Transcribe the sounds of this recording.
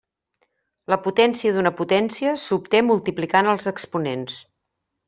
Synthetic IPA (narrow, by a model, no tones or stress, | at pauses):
ləput̪ɛnsiəðunəput̪ɛnsiəsup̚t̪emulˠt̪iplikanəlˠzəkspunens